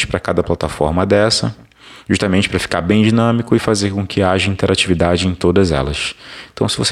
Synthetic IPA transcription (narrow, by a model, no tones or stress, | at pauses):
t͡ʃɪ̥pɾɐkad̪ɐplat̪afɔ̰ɾmɐd̪ɛsɐ̰ | ʒuʃt̪amẽnt͡ʃɪ̥pɾɐfi̥ka̰ɾbẽj̃d͡ʒinɐ̃mikʊɪfazeɾkõkʰɪaʒɐĩnt̪eɾat͡ʃivid̪ad͡ʒɪẽj̃t̪od̪ɐzɛ̰lɐsẽt̪ɐ̃w̃sɪvose